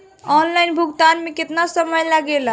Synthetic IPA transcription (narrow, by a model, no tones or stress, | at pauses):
ɔnlaɪnbʱuɡt̪anmeket̪nasəməjləɡel